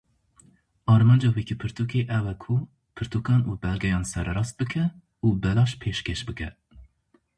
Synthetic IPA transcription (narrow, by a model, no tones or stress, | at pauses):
ɑːɾmɑːnd͡ʒɑːwikʰipʰɨɾt̪ʰukeːʔɛwɛkʰu | pʰɨɾt̪ʰukɑːnuːbɛlɡɛjɑːnsɛɾɛɾɑːst̪̚bɨkʰɛ | uːbɛlɑːʃpʰeːʃkeʃbɨkʰɛ